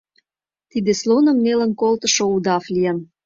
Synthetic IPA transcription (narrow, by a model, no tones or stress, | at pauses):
t̪id̪eslonə̆mnelənkolt̪ə̆ʃoud̪ɑflijən